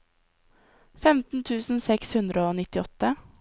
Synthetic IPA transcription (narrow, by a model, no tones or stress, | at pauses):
fɛmt̪n̩t̪ʰʉːsn̩sɛkshʉnd̪ɾəoːnɪt̪ɪɔt̪ə